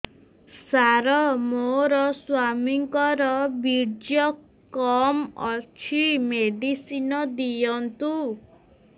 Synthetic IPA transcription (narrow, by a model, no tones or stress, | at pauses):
saɾɔmoɾɔswamiŋkɔɾɔbiɾd͡ʒjɔ | kɔmɔt͡ʃʰimeɖisinɔd̪ijɔnt̪u